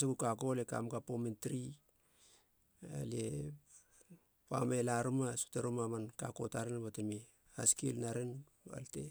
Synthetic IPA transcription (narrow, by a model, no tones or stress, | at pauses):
sakukakoleka̰mkapomentɾi | a̰lie | pa̰melaɾumasu̥taɾumamankako̞taɾenbatemi | askilnaɾen | a̰lte̞̰